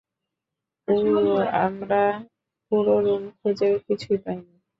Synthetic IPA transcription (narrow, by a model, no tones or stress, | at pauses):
ooamɾa | puɾoɾumkʰod͡ʑeɾkit͡ɕʰujpajni